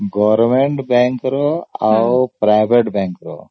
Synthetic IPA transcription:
ɡɔʋɾɾmeɳʈbaːŋkɾoaʋpɾajbʱeʈbaːŋkɾo̰

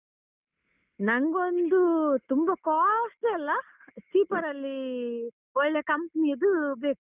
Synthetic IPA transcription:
nɐŋɡond̪ut̪umbɐkaːsʈɐlːɐ | ssiːpɐɾɐlːi | ɔɭːekɐmpɐnijɐd̪ubeːku

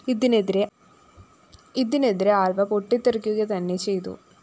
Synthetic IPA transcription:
iðineɾe | iðineðiɾeaːlbɐpoʈːit̪ːirikʲːuɣɐt̪ɐnːe̞t͡ɕe̞jt̪ṵ

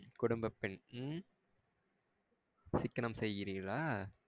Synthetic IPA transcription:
kʊɽʊmbɐpːɪn | sɪkːɐnɐmsɛjːɪɾɪŋɡɐɭaː

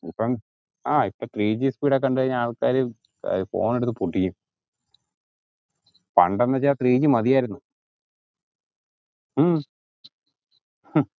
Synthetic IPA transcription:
ipːɐm | aːipːɐt̪riːd͡ʑispiːɽak̬ːɐɳɖɨɣɐɲːaːɭkaːɾɨ | ɐ̰fo̞̰ːneɽut̪ːɨpuʈʰːijum | pɐ̰ɳɖenːɐt͡ɕːaːt̪riːd͡ʑɨmɐðijaːjiɾunːu

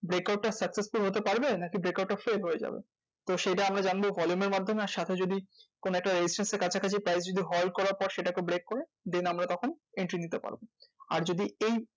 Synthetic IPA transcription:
bɾekawʈ̚ːasəksesfulɦot̪epaɾbenakibɾekawʈːafelɦojed͡ʑa̰bḛ | t̪oʃejʈaamɾad͡ʑanbovɔljumeɾmad̪ʱːomeaɾʃat̪ʰed͡ʑod̪ikonoɛkʈaɾed͡ʑisʈenseɾkat͡ɕʰakat͡ɕʰipɾajs̬d͡ʑod̪iɦɔlkɔɾaɾpɔɾʃeʈakebɾekːoɾe | d̪enamɾat̪ɔkʰoneɳʈɾinit̪epa̰ɾboa̰ɾd͡ʑod̪iej

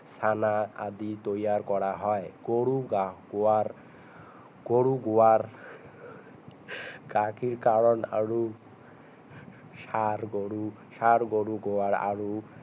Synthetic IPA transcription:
sanaa̰d̪it̪ojaɹkɔɹaɦɔjɡ̥oɹuɡaɡoaɾ | ɡ̥oɹuɡowaɹ | ɡakiɹkaɹɔna̰ɹu | ʃaɾɡoɹu | ʃaɾɡoɹuɡowaɹa̰ɹu

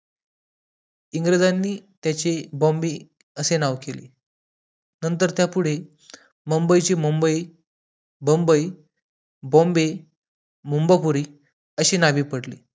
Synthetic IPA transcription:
iŋɡɾəd͡zanːiːt̪jat͡ɕebõmbiː | əsenaʋkelḭː | nənt̪əɾt̪japuɽ̤e | məmbəjt͡ɕimumbəiː | bõmbəi | bõmbe | mumbəpuɾiː | əɕiːnaʋiːpəɽlḭː

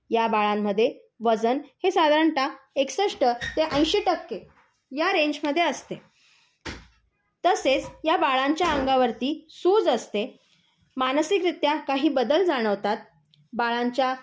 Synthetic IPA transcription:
jabaɭamːəd̪ʱːje | ʋəd͡zənhesad̪ʱaɾəɳʈa | eksəʂʈət̪eʔə̃j̃ɕeʈəkːe | jaɾeɲd͡ʑməd̪ʱːjeəst̪e | t̪əset͡sjabaɭaɲt͡ɕjaəŋɡaʋəɾt̪iːsuːd͡zəst̪e | manəsikɾit̪jakaɦiːbəd̪əld͡zaɽ̃əʋt̪at̪̚ | baɭaɲt͡ɕja

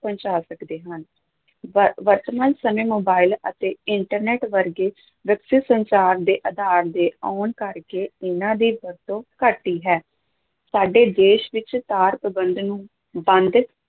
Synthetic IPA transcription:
pəɲt͡ʃaːsəkd̪eːɦən | ʋəɾt̪əmə̃ːnsəmẽːmoːbaːɪlə̰t̪eːɪɳʈəɾneːʈʋəɾɡeː | ʋəksɪsənt͡ʃaːɾd̪eːʔəd̪aːɾd̪eːɔːnkəɾkeːɪnãːd̪iːbəɾt̪õːkəʈːiːɦɛː | saːɖeːd̪eːʃʋɪt͡ʃt̪aːɾpəbənd̪nũː | bənd̪

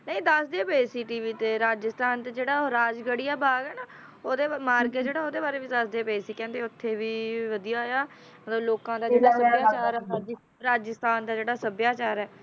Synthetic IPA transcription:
nə̃ĩd̪əsd̪eːpeːsiːʈiːʋiːt̪eːɾaːd͡ʒəst̪aːnt̪eːd͡ʒeːɽaːɾaːd͡ʒɡəɽɪjaːbaːɡɛːnaː | oːd̪eːmaːɾɡed͡ʒeːɽaːoːd̪eːbaːɾeːʋid̪əsd̪eːpeesiːkɛ̃ːnd̪eːʊt̪ʰːeːʋiːʋəd̪ijaːɦojaː | mət̪ləbloːkãːd̪aːd͡ʒeːɽaːsəbːjaːt͡ʃaːɾɛd͡ʒ | ɾaːd͡ʒəst̪aːnd̪aːd͡ʒeːɽaːsəbjaːt͡ʃaːɾɛː

